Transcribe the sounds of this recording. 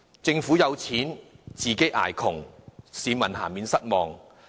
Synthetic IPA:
t͡sɪ˧ŋfuː˨˥jɐ˨˧wt͡sʰiː˨˥nt͡siː˨˩ke˨˥ʔa̰ː˨˩jkʰʊ˨˩ŋsiː˨˧mɐ˨˩nɦa̰ː˨˩nmiː˨˧nsɐ˥t̚mɔː˨ŋ

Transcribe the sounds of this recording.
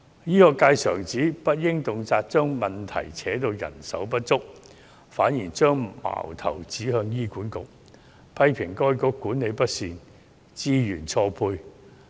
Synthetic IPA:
jiː˥kɔː˧kaː˧jsœː˨˩ŋt͡siː˨˥pɐ˥t̚jɪ˥ŋt̪ʊ˨ŋt͡saː˧t̚t͡ʃœː˥ŋmɐ˨nt̪ʰɐ̰˨˩jt͡sʰɛː˨˥t̪o˧wjɐ̰˨˩nsɐ̰˨˥wpɐ˥t̚t͡sʊ˥k̚ | faː˨˥njiː˨˩t͡ʃœː˥ŋma̰ː˨˩wt̪ʰɐ̰˨˩wt͡siː˨˥hœː˧ŋjiː˥kuː˨˥nkʊ̰˨k̚ | pʰɐ˥jpʰɪ˨˩ŋkɔː˥jkɔː˨˥kuː˨˥nːe˨˧jpɐ˥t̚siː˧n | t͡siː˥jyː˨˩nt͡ʃʰɔː˧pʰuː˧j

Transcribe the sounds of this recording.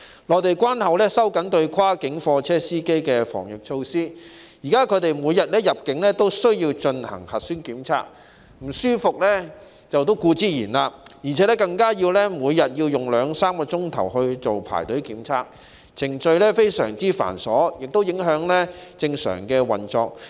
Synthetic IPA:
lɔː˨˩t̪e˨jkʷwaː˥nhɐ˨wlɛː˥sɐ˥wkɐ˨˥nt̪ɵ˧ɥkʰaː˥kɪ˨˥ŋfɔː˧t͡sʰɛː˥siː˥ke˥jkɛː˧fɔ̰ː˨˩ŋjɪ˨k̚t͡ʃʰo˧wsiː˥ | jiː˨˩kaː˥kʰɵ˨˧˥t̪e˨jmuː˨˧jɐ˨t̚lɛː˥jɐ˨p̚kɪ˨˥ŋlɛː˥t̪o˥wsɵ˥ɥjiː˧wt͡ʃɵ˧nhɐ̰˨˩ŋhɐ˨t̚syː˥nkiː˨˥mt͡sʰa̰ː˧˥k̚ | m̩˨˩syː˥fʊ˨k̚lɛː˥ | t͡sɐ˨wt̪̬o˥wkuː˧t͡siː˥jiː˨˩nlaː˧jiː˨˩t͡sʰɛ˨˥lɛ˥kɐ˧ŋkaː˥ji˧wlɛ˥muː˨˧jjɐ˨t̚ji˧wjʊ˨ŋlœː˨˧ŋsaː˥mkɔː˧t͡sʊ˥ŋt̪ʰɐ̰˨˩wɦɵ˧ɥt͡so˨wpʰa̰ː˨˩jt̪ɵ˨˥kiː˨˥mt͡sʰaː˧k̚ | t͡sʰɪ˨˩ŋt͡ʃɵ˧ɥlɛː˥fe˥jsœ̰ː˨˩ŋt͡siː˥fa̰ː˨˩nsɔː˨˥jɪ˨k̚t̪o˥wjɪ˨˥ŋɦœː˨˥ŋlɛ˥t͡sɪ˧ŋsœ̰ː˨˩ŋkɛː˧wɐ˨˩nt͡sɔː˨˧k̚

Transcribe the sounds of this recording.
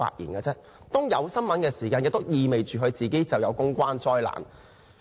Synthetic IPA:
a̰ː˧t̚jḭː˨˩nkaː˧t͡sɛː˥ | t̪ɔː˥ŋjɐ˨˧wsɐ˥nmɐ˨˥nkɛː˧siː˨˩kaː˧njɛ˨k̚t̪ʊ˥w̚jiː˧me˨jt͡ʃyː˨˩ɦɵ˧ɥt͡siː˨˩ke˥jt͡sɐ˨wjɐ˨˧wkʊ˥ŋkʷaː˥nt͡sɔː˧jla̰ː˨˩n

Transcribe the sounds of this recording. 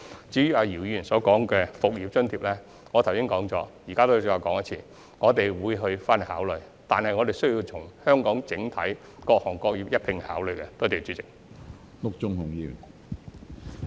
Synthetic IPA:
t͡siː˨˥ɥyː˨˧aː˨˧jiː˨˩wji˧y˨˩nsɔː˨˥kɔː˨˥ŋkɛː˧fʊ˨k̚jiː˨˧p̚t͡ʃɵ˥nt̪ʰiː˧p̚lɛː˥ | ŋɔ˨˧t̪ʰwsɪ˥ŋkɔː˨˥ŋt͡sɔː˨˥jiː˨˩kaː˥t̪o˥˨t͡sːwaː˧˩kɔː˨˥ŋɐ˥t͡sʰiː˨˩ | ŋɔː˨˧t̪e˨jwuː˨˧jɦɵ˧ɥfaː˥ne˨˩haː˨˥wlɵ˨ɥ | t̪aː˨nhɐ˨jŋɔ˨˧t̪e˨jsɵ˥ɥji˧t͡sʰʊ˨˩ŋhœː˥ŋkɔː˨˥ŋt͡sɪ˨˥ŋt̪ʰɐ˨˥j | kɔː˧k̚hɔː˨˩ŋkɔː˧k̚jiː˨˧p̚jɐ˥t̚pʰɪ˧ŋhaː˨˥wlɵ˨ɥkɛ˧t̪ːt̪e˨t͡ʃyː˨˥t͡sɪ˨k̚ | lʊ˥k̚t͡ʃʊ˥ŋhʊ˨˩ŋji˧y̰˨˩n

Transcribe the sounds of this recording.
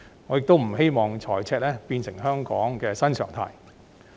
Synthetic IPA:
ŋɔː˨˧jɪ˨k̚t̪o˥wm̩˨˩ɦe˥jmɔː˨ŋt͡sʰɔː˨˩jt͡sʰɛː˧t̚lɛː˥piː˧nsɪ˨˩ŋɦœː˥ŋkɔː˨˥ŋkɛː˧sɐ˥nsʰœː˨˩ŋt̪ʰa̰ː˨˩j

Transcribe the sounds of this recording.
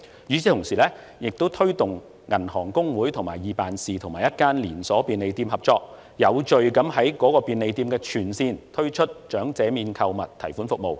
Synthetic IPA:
jyː˨˥t͡sʰiː˨˧t̪ʰʊ˨˩ŋsiː˨lɛː˥ | jɪ˨k̚t̪o˥wt̪ʰɵ˥ɥt̪ʊ˨ŋ | ŋɐ˨˩nhɔː˨˩ŋkʊ˥ŋwuː˨˥jt̪ʰŋmaː˨˩jjiː˨˧paː˨nsiː˨t̪ʰʊ˨˩ŋmaː˨˩jɐ˥t̚kaː˥nliː˨˩nsɔː˨˥piː˧nle˨˧jt̪iː˧mhɐ˨˩p̚t͡sɔː˧k̚ | jɐ˨˧wt͡ʃɵ˨ɥkɐ˨˥mɦɐ˨˥jkɔː˨˥kɔː˧piː˨˧nle˨˧jt̪iː˧mkɛː˧t͡ʃʰyː˨˩nsiː˧nt̪ʰɵ˥ɥt͡ʃʰɵ˥t̚t͡ʃœː˨˥ŋt͡sɛː˨˧miː˨˧nkʰɐ˧wmɐ̰˨˩t̚t̪ʰɐ̰˨˩jfuː˨˥nfʊ˨k̚mo˨˧w

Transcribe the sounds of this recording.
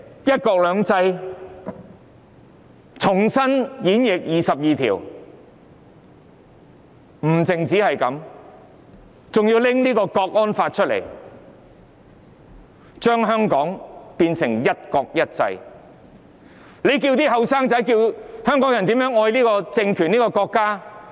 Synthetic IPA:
jɐ˥t̚kɔː˧k̚lœː˨˧ŋt͡sɐ˧j | t͡sʰʊ˨˩ŋsɐ˥njiː˨˥njɪ˨k̚jiː˨sɐ˨p̚jiː˨t̪ʰḭː˨˩w | m̩˨˩t͡sɪ˨˩ŋt͡siː˨˥hɐ˨jkɐ˨˥m | t͡sʊ˨ŋji˧wlɪ˥ŋliː˥kɔː˧kɔː˧k̚ɔː˥nfaː˧t̚t͡ʃʰɵ˥t̚lḛ˨˩j | t͡ʃœː˥ŋɦœː˥ŋkɔː˨˥ŋpiː˧nsɪ˨˩ŋjɐ˥t̚kɔː˧k̚jɐ˥t̚t͡sɐ̰˧j | le˨˧jk̬iː˧wt̪iː˥ɦɐ˨wsaː˥ŋt͡sɐ˨˥jkiː˧whœː˥ŋkɔː˨˥jɐ˨˩nt̪i˨˥mjœː˨˥ŋɔː˧jliː˥kɔː˧t͡sɪ˧ŋkʰyː˨˩niː˥kɔː˧kɔː˧kːaː˥

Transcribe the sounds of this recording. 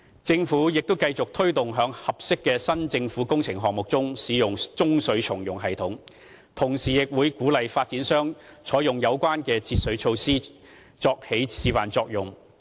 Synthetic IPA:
t͡sɪ˧ŋfuː˨˥jɪ˨k̚t̪ʊ˥wkɐ˧jt͡sʊ˨k̚t̪ʰɵ˥ɥt̪ʊ˨ŋɦœː˨˥ŋhɐ˨p̚sɪ˥kːɛː˧sɐ˥nt͡sɪ˧ŋfuː˨˥kʊ˥ŋt͡sʰɪ˨˩ŋɦɔː˨ŋ̚mʊ˨k̚t͡sʊ˥ŋsiː˨˧jʊ˨ŋt͡sʊ˥ŋsɵ˨˥ɥt͡ʃʰʊ˨˩ŋjʊ˨˩ŋɦɐ˨jt̪ʰʊ˨˥ŋ | t̪ʰʊ˨˩ŋsiː˨jɪ˨k̚wuː˨˧jkuː˨˥lɐ˨jfaː˧t̚t͡siː˨˥nsœː˥ŋ | t͡ʃʰɔː˨˥jʊ˨˩ŋjɐ˨˧wkʷaː˥nkɛː˧t͡sʰiː˧t̚sɵ˨˥ɥt͡ʃʰo˧wsiː˥ | t͡sɔː˧k̚he˨˥jsiː˨˧faː˨nt͡sɔː˧k̚jʊ˨˩ŋ

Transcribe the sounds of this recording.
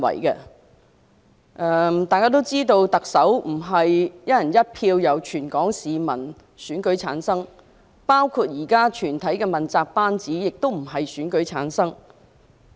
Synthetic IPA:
wɐ̰˨˩jkɛ̰˧ | ʔɛ˧t̪aː˨jkaː˥t̪o˥wt͡siː˥t̪o˧wt̪ɐ˨k̚sɐ˨˥wm̩˨˩ɦɐ˨jjɐ˥jɐ˨˩njɐ˥t̚pʰiː˧wjɐ˨˩wt͡ʃʰyː˨˩nkɔː˨˥ŋsiː˨mɐ̰˨˩n | syː˨˥nkɵ˨˥jt͡sʰa̰ː˨˥nsɐ˥ŋ | paː˥wkʰu˧t̚jiː˨˩kaː˥t͡ʃʰyː˨˩nt̪ʰɐ˨˥jkɛ˧mɐ˨nt͡saː˧k̚paː˥nt͡siː˨˥jɪ˨k̚t̪o˥wm̩˨˩ɦɐ˨jsyː˨˥nkɵ˨˥ɥjt͡sʰa̰ː˨˥nsɐ˥ŋ

